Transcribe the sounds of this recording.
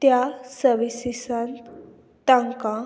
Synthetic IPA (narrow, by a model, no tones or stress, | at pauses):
t̪jasəʋisisan | t̪ãŋkã